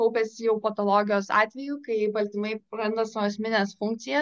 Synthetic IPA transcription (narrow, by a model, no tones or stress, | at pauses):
ɐʊpʲɛsʲɪjɛʊpɐt̪oːlˠoːɡʲɪjoːsɑ̰ːt̪ʲʋʲɛjuːkɐɪjɛɪbɐlʲt̪ʲɪmɐɪɾɐnd̪ɐsoɐsʲmʲɪnʲeːsfʊŋk̚t̪sʲɪjɛ